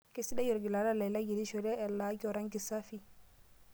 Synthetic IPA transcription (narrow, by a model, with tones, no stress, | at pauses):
ke˦si˦da˦jɔ˨ɾɡi˨la˨ɾa˦la˨jla˦ɡi˨ɾi˦ʃɔ˨ɾɛ˦ɛ˨la˨˦ɡɔ˨ɾa˦ŋɡi˨sa˦fi˦